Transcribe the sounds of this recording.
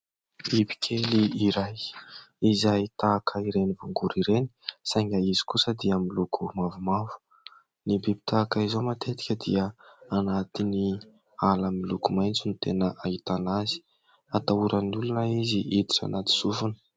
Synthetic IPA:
ibi̥kʲʰeliiɾajizait̪akʰəiɾenivuŋɡuɾiɾeni̥saŋɡaizi̥kusəd̪iamilukʰumavumavu̥ | nibebi̥t̪ʰakaizomat̪et̪i̥kʲəd̪iəanat̪ini | alamilukumajnt͡sinit̪enəʔait̪anazi̥ | at̪auɾənulunəiziʔid̪i̥ʈ͡ʂa̰nat̪i̥sufunə̥

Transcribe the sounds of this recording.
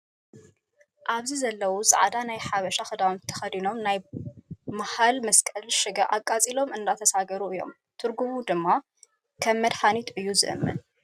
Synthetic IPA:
ʔaβzizɐlːɐwuzʼɨ̰ʕd̪anajħaβɐʃaxɨd̪awumt̪ʰɐ̥xɐd̪ino̞mnaj | mahalmɐskʼɐlʃɨɡɐʔakʼːat͡sʼilo̞mɨnd̪at̪ʰɐsaɡɐɾuɨjːo̞̰m | t̪ʰɨɾɡumud̪ɨmːa | kʰɐmːɐd̪ħanit̪ʰʔɨjːuzɨ̰ʔɨ̰mːɨ̰n

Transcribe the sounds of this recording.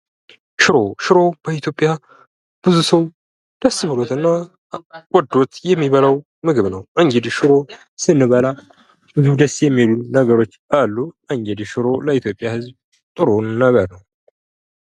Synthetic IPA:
ʃɪɾoʃɪɾo̞b̥əit̪jo̞pʼːja | b̥ɨzusəw | d̪̥əsːbɨlot̪ɨnːa | wʼɔd̪ːo̞t̪jɛmːiβələw | mɨɡɨβnəwʔaŋɡed̪ʃɨɾo̞ | sɨnːɨβəla | bɨzud̪əsjɛmːilunəɡəɾo̞t͡ʃːalːuʔaŋɡed̪ʃɪɾo̞ləit̪ʰjo̞pʼːjahɨzb | t̪ʼɨɾonːaβəɾnəw

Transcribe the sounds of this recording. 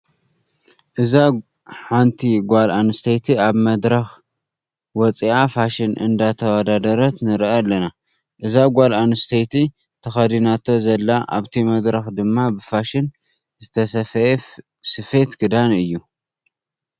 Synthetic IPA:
ʔɨza | ħant̪ʰiɡʷalanɨst̪ʰejt̪ʰiaβmɐd̪ɾɐx | wɔt͡sʼiafaʃɪnʔɨ̰nd̪at̪ʰɐwɐd̪ad̪ɐɾɐt̪nɨɾʔalːɐna | ʔɨzaɡʷalanɨst̪ʰejt̪ʰi | t̪ʰɐxɐd̪inat̪ʰo̞zɐlːaʔa̰βt̪ʰimɐd̪ɾɐxd̪ɨmːabɨfaʃɪn | zɨt̪ʰɐsɐfɐjf | sɨfe̞t̪ɡɨd̪anɨjːu

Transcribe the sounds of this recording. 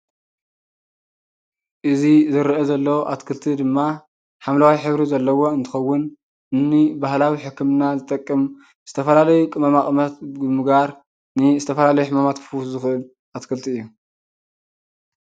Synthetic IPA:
ʔɨzizɨɾʔezɐlːɐwoʔat̪kʰɨlt̪ʰid̪ɨmːa | ħamlawajħɨβɾizɐlːɐwo̞ɨnt̪ʰɨ̥xɐwːʊn | ɨnːibahlawiħɨkʰːɨmnazɨt̪ʼɐkʼːɨm | z̥ɨt̪ʰɐfɐlalɐjukʼɨmɐmakʼmɐt̪̚ɡɨmɨɡaɾ | nɨzɨt̪ʰɐfɐlalɐjuħɨmamat̪kʰɨ̥fuzɨxʔɨl | ʔat̪kʰɨlt̪ʰiɨjːu

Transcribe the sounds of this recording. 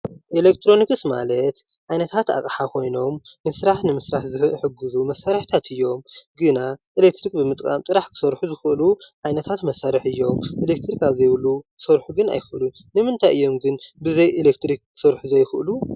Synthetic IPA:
ʔelek̚t̪ʰɾo̞nikɨsma̰lɐt̪ | ʕajnɐt̪ʰat̪a̰kʼħakʰo̞jno̞mːɨsɾaħnɨmɨsɾaħzɨħɨɡːɨzumɐsːaɾħt̪ʰat̪ʰɨjːo̞mɡɨnaʔilekt̪ɾikbɨmɨt̪ʼkʼa̰mt̪ʼɨɾaħkʰɨ̥sɐɾħuzɨxɨʔluʕajnɐt̪ʰat̪mɐsːaɾɨħɨjːo̞mʔilek̚t̪ʰɾikaβzɐjβɨluksɐɾħuɡɨna̰jxɨʔlu | nɨmɨnt̪ʰajʔɨjːo̞mɡɨnbɨzɐjʔelekt̪ɾik̚kʰɨ̥sɐɾħuzɐjxɨʔɨlu

